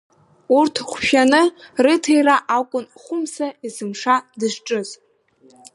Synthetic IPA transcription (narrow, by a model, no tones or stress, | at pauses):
urtʰχʷʃᶣanɨrɨtʰejraʔakʷʼʊnχʷʊmsaizɨmʂadɨʂʈ͡ʂʼɨz